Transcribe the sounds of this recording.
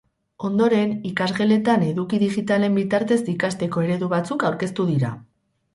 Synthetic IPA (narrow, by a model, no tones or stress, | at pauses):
o̞nd̪o̞ɾe̞nikazɣele̞t̪ane̞ðukiðiɣit̪ale̞mbit̪aɾt̪e̞zikast̪e̞ko̞e̞ɾe̞ðuβat͡sukawɾke̞st̪uðiɾa̰